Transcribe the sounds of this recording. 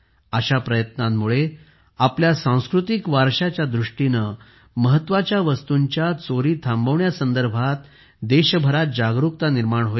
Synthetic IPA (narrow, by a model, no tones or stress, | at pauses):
əɕapɾəjət̪namːuɭe | apljasãw̃skɾut̪ikʋaɾɕat͡ɕjad̪ɾuʂʈinə | məɦət̪ːʋat͡ɕjaʋəst̪uɲt͡ɕjat͡soɾiːt̪ʰambəʋɳjasənd̪əɾbʱat̪ | d̪eɕbʱəɾat̪̚d͡ʑaɡɾuk̚t̪aniɾmaɳɦoi